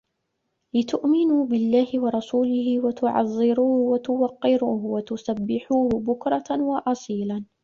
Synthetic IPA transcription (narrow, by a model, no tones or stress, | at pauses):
lɪt̪ʊʔmɪnuːbɪlːaːhɪwɑɾˤɑsuːlɪhɪwat̪ʊʕɑ̰zˤːɪɾuːhʊwat̪ʊwɑqːɪɾuːhʊwat̪ʊsabːɪħuːhʊbʊkɾˤɑwɑʔɑsˤiːla